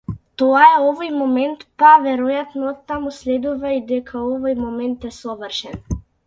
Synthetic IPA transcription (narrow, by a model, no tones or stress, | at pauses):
t̪ɔaɛɔvɔjmomɛnt̪pavɛɾɔjat̪nɔɔt̪ːamuslɛd̪uvaid̪ɛkʰaɔvɔjmɔmɛnt̪ɛsɔvərʃɛn